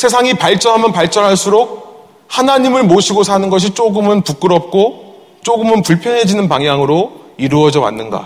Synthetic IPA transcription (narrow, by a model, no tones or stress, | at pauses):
sʰe̞s̬ʰaŋipaɭt͡ɕ͈ʌnɦamjʌnpaɭt͡ɕ͈ʌnɦaɭs͈uɾok̚ | hanaɲimɯɭmoɕʰiɡosʰanɯnɡʌɕ̬ʰit͡ɕ͈oɡɯmɯnpuk͈ɯɾʌp̚k͈o | t͡ɕ͈oɡɯmɯnpuɭpʰjʌnɦe̞d͡ʑinɯnpaŋɦjaŋɯɾoiɾuʌd͡ʑʌwa̰nːɯnɡa̰